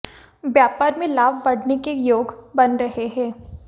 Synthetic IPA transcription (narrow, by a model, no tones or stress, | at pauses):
bjaːpaːɾmẽlaːbbɐɽ̤nekejoːɡbɐnɾɐɦeɦɛ̃ː